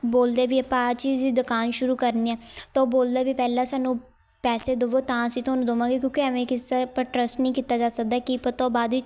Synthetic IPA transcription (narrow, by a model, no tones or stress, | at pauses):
boːld̪eːbiːəpãːt͡ʃiːzd̪iːd̪ʊkaːnʃʊɾuːkəɾniːɛːt̪oboːld̪aːbiːpɛːlãːsaːnũː | pɛːseːd̪oʋoːt̪ãːsĩːt̪ʰʊaːnũːd̪oːʋãːɡeːkjõːkɪəʋẽːkɪsaːpəʈɾəsʈnĩːkiːt̪aːd͡ʒaːsək̚d̪aːkipət̪oːbaːd̪iː